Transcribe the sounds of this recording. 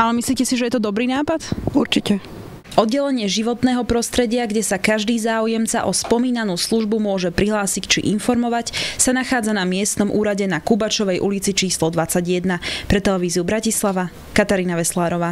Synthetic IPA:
alɛmisliːcɛsiʒɛjɛt̪ɔd̪ɔbɾiːnaːpat̪uɾt͡ʃicɛ | ʔɔd̪ɟɛlɛɲɪɛʒiʋɔt̪nɛːɦɔpɾɔst̪ɾɛɟɪaɡɟɛsakaʒd̪iːzaːujɛmt͡sa̰ʔɔspɔmiːnanuːsluʒbumʊɔʒɛpɾiɦlaːsict͡ʃḭʔinfɔɾmɔʋacsanaxaːd͡zanamɪɛst̪nɔmʔuːɾaɟɛnakubat͡ʃɔʋɛjʔṵlit͡sit͡ʃiːslɔd̪ʋat͡saɟjɛd̪napɾɛt̪ɛlɛʋiːziubɾacislaʋa | kat̪aɾiːnaʋɛslaːɾɔʋaː

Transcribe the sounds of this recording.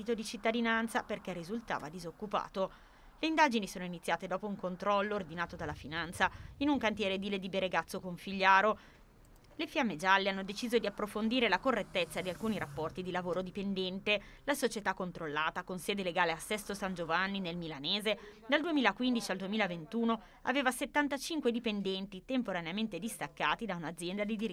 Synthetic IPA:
it̪od̪it͡ʃit̪ːad̪inant̪saperkɛrːizult̪a̰ːva̰d̪izokːupa̰ːt̪o | leind̪aːd͡ʒinisoːnoinit̪sːjaːt̪ed̪ɔːpouŋkont̪ɾɔlːoːrd̪inaːt̪od̪alːafinant̪sainuŋkant̪̬jɛːɾed̪iled̪ibeɾeɡat̪sːokoɱfiʎːaːɾo | lefjamːed͡ʒalːeanːod̪et͡ʃiːzod̪iapːɾofond̪iːɾelakorːet̪ːet̪sːad̪ialkuːniɾapːɔrt̪id̪ilavoːɾod̪ipend̪ɛnt̪e | lasot͡ʃet̪akːont̪ɾolːaːt̪akonsɛːd̪eleɡaːleasːɛst̪osand͡ʒovanːinelmilaneːzed̪ald̪uemiːlakwind̪it͡ʃiald̪uemiːlavent̪uːno | a̰veːvaset̪ːant̪at͡ʃiŋkwed̪ipend̪ɛnt̪it̪empoɾaneament̪ed̪ist̪akːaːt̪id̪aunad̪zjɛnd̪ad̪id̪iɾ

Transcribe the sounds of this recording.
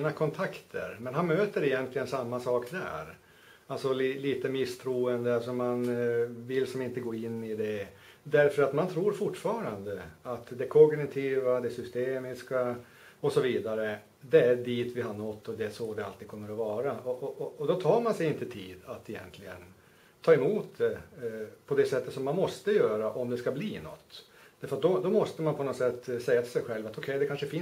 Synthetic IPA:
nakʰɔnt̪ʰakt̪ʰə̰ɾmɛnɦanmøːt̪əɾɛjɛnt̪lɪɡənsamːasɑːkd̪æ̰ːɾ | alsɔliliːt̪əmɪst̪ʰɾuːənd̪əalsɔmanvɪlːsɔmɪnt̪əɡoːɪnːɪd̪ɛ | d̪æɾfœɾat̪mant̪ʰɾuːɾfʊʈːfɑːɾand̪əat̪d̪ɛkʰɔɡnɪt̪ʰiːvad̪ɛsʏst̪eːmɪska | ɔsɔviːd̪aɾə | d̪ɛæɖiːt̪vɪɦaɳɔt̪ːɔd̪ɛæʂɔd̪ɛa̰lt̪ːiːkʰɔmːəɾɔvɑːɾaɔʔɔʔɔɔd̪ɔt̪ʰɑːɾmansɛjɪnt̪ət̪ʰiːd̪at̪ːɛjɛ̰nt̪ʰlɪɡən | t̪ʰɑːɛmuːt̪d̪ɛ | pʰɔd̪ɛsɛt̪ːət̪sɔmːanmɔst̪əjœːɾaʔɔmd̪ɛskabliːnɔ̰t̪ː | æɾfœɾat̪̚d̪ɔd̪ɔmɔst̪əmanpʰɔnɔt̪sɛt̪ːsɛjːat̪ɪlsɛjɧɛlvat̪ɔkʰɛjd̪ɛkʰanʂəfɪ

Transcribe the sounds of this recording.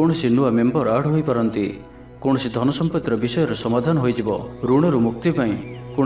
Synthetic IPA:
oɽ̃ɔsinuamembɔɾaɽ̤ɦojpaɾɔnt̪i | koɽ̃ɔsid̪ʱɔnɔsɔmpɔt̪ɾɔbisɔjɔɾɔsɔmad̪ʱanɔɦojd͡ʒibɔɾuɽ̃ɔɾumuk̚t̪paĩkõ

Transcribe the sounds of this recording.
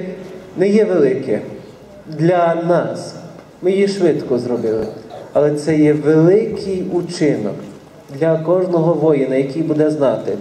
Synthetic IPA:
nɛjɛʋelˠɪkɛ | d̪lʲɐnɑs | mɪjiʃʋɪt̪kɔzrɔbɪlˠɪɐlˠɛt̪sɛjɛʋelˠɪkʰɪjut͡ʃɪnɔ̰k | d̪lʲɐkɔʒnɔɦɔʋɔjɪnɐjɐkʲijbud̪ɛznɑt̪ɪ

